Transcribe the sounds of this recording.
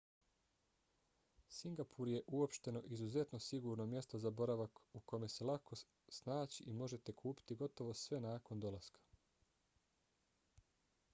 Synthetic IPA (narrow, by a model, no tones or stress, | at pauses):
siŋɡapʰuɾje̞ʔuo̞pʃt̪e̞no̞ʔizuze̞t̪no̞siɡuːɾno̞mje̞st̪o̞zabo̞ɾaʋakuko̞me̞se̞lakʰo̞ | snaːt͡ɕiʔimo̞ʒe̞t̪e̞kʰuːpi̥t̪iɡo̞t̪o̞ʋo̞sʋe̞naːko̞nd̪o̞lˠaskḁ